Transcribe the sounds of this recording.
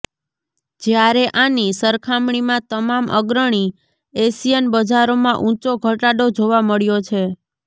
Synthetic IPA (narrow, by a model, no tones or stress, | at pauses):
d͡ʒjaɾeʔanisəɾkʰamɳ̃imãt̪əmamʔə̰ɡɾəɳ̃i | esijenbəd͡ʒaɾomãʔũt͡ʃoɡʱəʈaɖod͡ʒoʋaməɭjot͡ʃʰe